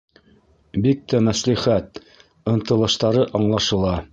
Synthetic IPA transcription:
bik̚t̪æmæsliχæt̪̚ | ɤ̆nt̪ɤ̆lˠɤ̆ʃt̪ɑɾɤʔɑɴlˠɑʃɤ̆lˠɑ

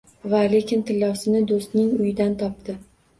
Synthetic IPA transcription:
vale̞kʲɪnt̪ʰɪlːɒwsɪnɪd̪ost̪nɪŋʊjɪd̪ant̪ʰɒp̚t̪ɪ

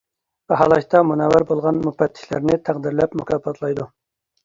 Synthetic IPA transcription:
bɛɦɑlˠɑʃt̪ɑmunɑwæɾbolˠʁɑnmupɛt̪ʰːɪ̥ʃlæ̰ɾnɪt̪ʰæqd̪ɪɾlɛpmukʰɑːpɑt̪ʰlˠɑjd̪u

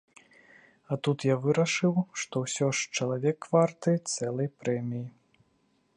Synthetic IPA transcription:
ɐt̪ut̪javɨɾɐʂɨwʂt̪ɔwsʲɔʂt͡ʃɐlˠavʲɛkːvart̪ɨt̪sɛlˠɐjpɾɛmʲiji

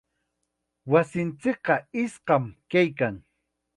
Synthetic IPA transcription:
wasɪnt͡sɪk̚qɑɪsqɑmkajkaŋ

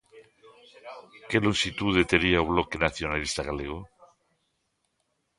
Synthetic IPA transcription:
keloŋsit̪uðet̪eɾiauβlokenaθjonalist̪aɣaleɣ̞o

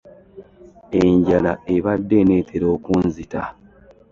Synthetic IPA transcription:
e̞ɲɟalae̞βadːe̞ne̞ːtʰe̞ɾo̞ːkunzita

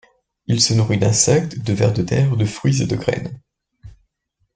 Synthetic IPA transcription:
ilsənuʁid̪ɛ̃sɛk̚t̪d̪əvɛ̰ʁd̪ət̪ɛʁd̪əfχɥized̪əɡʁɛ̰n

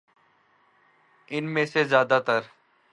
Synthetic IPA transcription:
ɪnmẽːseːzjaːd̪aːt̪əɾ

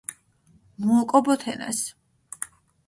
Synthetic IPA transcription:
muːkʼɔbɔt̪ʰɛna̰s

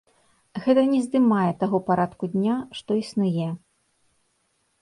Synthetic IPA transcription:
ɣɛt̪ɐnʲɛzd̪ɨmajɛt̪aɣɔpaɾat̪kud̪ʲnʲaʂt̪ɔisnujɛ

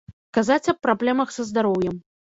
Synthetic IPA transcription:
kazat͡sʲɐpːɾablʲɛmɐxsɐzd̪aɾɔwjɛm

